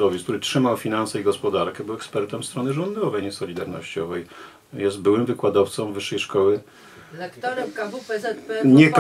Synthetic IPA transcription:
ɔvʲik̚t̪uɾɘtʂɘmawfʲinansɛiɡɔspɔd̪aɾkɛbɘwɛkspɛɾt̪ɛmst̪ɾɔnɘʐɔnd̪ɔvɛjɲɛsɔlʲid̪aɾnɔ̰ɕt͡ɕɔvɛj | jɛst̪̚bɘwɘmvɘkwad̪ɔft̪sɔmvɘʂːɛjʂkɔwɘ | lɛktt̪ɔɾɛmkavupɛɛɲɛp

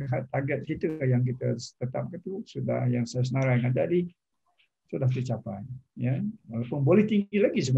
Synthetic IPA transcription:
ɦat̪aɡat̪̚kit̪əjaŋk̬it̪əst̪ət̪a̰p̚kat̪usudahjaŋsajas̬ənaɾajŋadaʔdi | sudaht̪ət͡ʃapajjawalapʊnbolɛht̪iŋɡilaɡis̬əbə

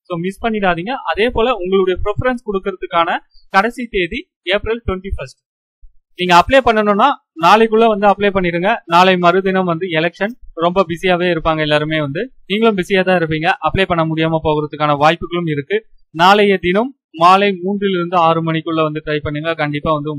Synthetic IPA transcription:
soːmɪspɐɳːɪʈaːðiːŋɡɐʔɐðeːpoːlɐʊŋɡɐɭɯɽɐjɐpɾɛfɐɾɐnskɔɽɯkːɯɾɐðɯkːaːnɐkɐɽɛsit̪eːði | eːpɾɐlʈwʋɛɳʈifɐsʈ̚ | niːŋɡɐːpːɭeːpɐɳːɐnɯnːaː | naːlɐɪkːɯɭːɐʋɐnd̪ɯɐpːleːpɐɳːɪɾɯŋɡɐnaːlɐɪmɐɾɯd̪ɪnɐmʋɐnd̪ɯɛlɛkʂɐnɾɔmbɐbɪsɪjaːʋeːɪɾɯpːaːŋɡɐɛlːaːɾɯmeːʋɐnd̪ɯniːŋɡɐɭɯmbɪsɪjaːt̪ãːɪɾɯp̬ːiːŋɡɐʔɐpːɭeːpɐɳːɐmʊɽɪjaːmaːpoːɣɯɾɐðɯkːaːnɐʋaːjpːɯɣɐɭɯmɪɾɯkːɯnaːlɐjɐd̪ɪnɐmː | aːlɐɪmuːɳɖrɪlɪɾɯnd̪ɯaːɾɯmɐnɪkːɯɭːɐʋɐnd̪ɯʈɾɐɪpɐɳːɯŋɡɐkɐɳɖɪpːaːʋɐnd̪ɯ

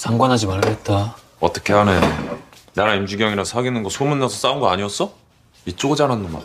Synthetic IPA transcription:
sʰaŋɡwanɦad͡ʑimaɭɡet̚t͈a | ʌt͈ʌkʰe̞ɦane̞ | naɾaimd͡ʑuɡjʌŋiɾasʰhaɡinɯnɡʌsʰomunːasʰʌs͈aunɡʌa̰ɲiʌs͈ʌ | it͡ɕ͈oɡɯd͡ʑananːonma̰

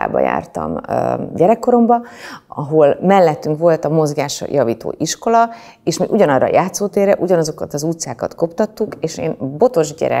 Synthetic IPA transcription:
a̰ːbɒ̰ja̰ːrt̪ɒ̰møɟɛɾɛkːo̞ɾo̞mbɒɒɦo̞lmɛlːɛt̪ːyŋkʋo̞lt̪ɒmo̞zɡaːʃɒ̰jʔɒviːt̪o̰ːʔiʃko̞lɒ | eːʃmḭːʔuɟɒnɒrːɒ̰jʔaːt̪soːt̪eːrɛʔuɟɒnɒzo̞kɒt̪ɒzut̪saːkɒt̪ko̞pt̪ɒt̪ːukeːʃḛːnbo̞t̪o̞ʒɟɛ̰ɾɛ̰

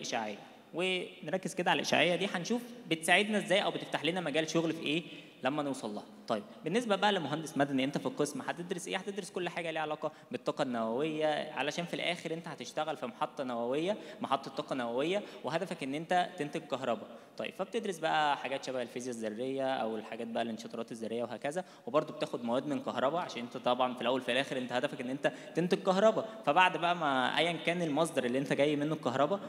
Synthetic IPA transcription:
lʔeʃaʕḛjːæ | wenɾˤɑkːez̥ked̪æʕalʔeʃa̰ʕejːæd̪iːħænʃuːfbet̪saʕed̪næʔezːæːjʔæwbet̪eft̪aħliːnæmæɡæːlʃoɣlfiʔeː | læmːænewsˤɑlːɑ̰ːht̪ˤɑjeb̚benːesbæbæʔælemoɦænd̪esmæd̪æniʔent̪æfilqesmħat̪ed̪ɾesʔeːħæt̪ed̪ɾoskolːħaːɡæliːʕalɑːqɑ | bet̪ˤːɑːqɑnːæwæwejːæʕa̰læʃæːnfilʔæːxeɾʔent̪æhæt̪eʃt̪æɣælfimɑħɑt̪ˤːɑnæwæwejːæmɑħɑt̪ˤːɑt̪ːˤɑːqɑnæwæwejːæweɦæd̪æfækʔenːʔent̪æt̪ent̪eɡ̚kɑɦɾˤɑbɑt̪ˤɑ̰jːḛb̥fæb̚t̪ed̪ɾesbæʔæħaɡæːt̪ʃæbæʔelfiːzjæzːærˤːejːæʔæ̰welħaɡæːt̪̚bæʔælenʃɑt̪ɑɾˤɑːt̪ezːæɾːejːæweɦæːkæzæ | webɑɾˤd̪ˤobet̪æːxod̪mæwæːd̪menkɑhɾˤɑbɑʕaʃæːnʔent̪æt̪ˤɑbʕɑnfilʔæwːælfilʔæːxeɾʔent̪æhæd̪æfækʔenːʔent̪æt̪ent̪eɡ̚kɑhɾˤɑbɑfæbaʕd̪bæʔæmæʔæ̰jːænkæːnelmɑs̬ˤd̪ˤɑɾˤʔelːiːʔent̪æɡæjːmenːokːɑɦɾˤɑbɑ

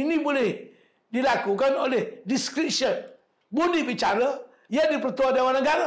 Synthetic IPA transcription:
inĩboleh | dilakukanolehdiskɾit̚ʃən | bondibit͡ʃaɾə | jadipɾət̪uɔdawãnãɡaɾa

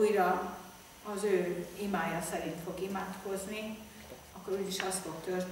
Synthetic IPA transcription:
ujrɒ | ɒzøːimaːjɒsɛɾint̪fo̞ɡimaːt̪ko̞zni | ɒkːo̞ɾuːd̪iʃɒst̪fo̞kt̪ørt̪

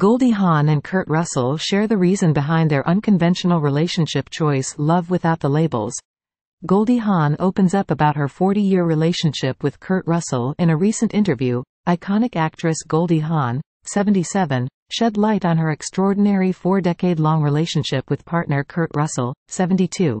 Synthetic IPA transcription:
ɡ̥oʊlˠdiɦɑ̃nɨ̃nkʰɜ˞t̚ɹʌsl̩ˠʃɛɹðɨɹizɨ̃nbɨɦãɪ̃nðə˞ʔʌ̃nkʰɨ̃ɱvɛ̃nʃn̩l̩ˠɹileɪʃɨ̃n̩ʃɪp̚t͡ʃʰɔɪslʌvwɨθaʊt̪̚ðəleɪbl̩ˠz̥ | ɡ̥oʊlˠdiɦɑ̃noʊpɨ̃nzʌpəbaʊt̚ɦə˞fɔɹɾijɪɹɹileɪʃɨ̃nʃɪpwɨð̥kʰɜ˞ʔ̚ɹʌsl̩ˠɨ̃ñɨɹisɨ̃ntɪ̃ntə˞vjʉ | ʔaɪkʰɑnɨkæk̚tɹ̥ɨsɡ̥oʊlˠdiɦɑ̃n | sɛvn̩tisɛvɨ̃n | ʃɛdˡlaɪɾn̩ə˞ɨkstɹ̥ɔɹdⁿn̩ɛɹifɔɹdɛkeɪdˡlɔ̃ŋɹileɪʃɨ̃nʃɪpwɨð̥pʰɑɹtⁿnə˞kʰɜ˞ʔ̚ɹʌsl̩ˠsɛṽn̩titʰʉ

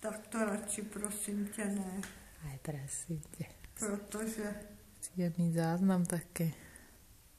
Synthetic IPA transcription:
t̪ak̚t̪ɔɾat͡ʃipɾɔsimcɛnɛ | ajpɾɛsimcɛpɾɔt̪ɔʒɛ | t͡siɛmiːzaːznamt̪akɛː

